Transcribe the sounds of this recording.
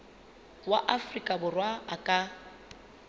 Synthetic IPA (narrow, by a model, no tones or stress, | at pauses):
waʔafrikʼabʊrwaakʼa